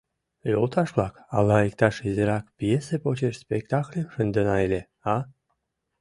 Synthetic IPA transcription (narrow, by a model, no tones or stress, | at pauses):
lʲolˠt̪ɑʃβlˠɑkɑ̰lɑikt̪ɑʃizʲeɾɑkpjesepot͡ɕeʃspʲekt̪ɑklʲemʃənd̪ənɑelʲe | ɑ